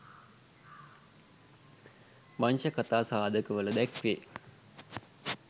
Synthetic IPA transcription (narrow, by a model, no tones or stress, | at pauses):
maɲʃəkat̪aːsaːd̪əkəʋələd̪ækʋeː